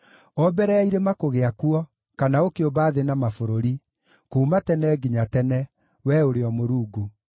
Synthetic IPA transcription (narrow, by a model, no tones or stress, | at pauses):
ɔbɛɾɛaiɾemakoɣeakuɔ | kanaokeobaːðenamafoɾoɾi | kuːmatɛnɛːɡiɲatɛnɛ | wɛoɾeɔmoɾuːɡu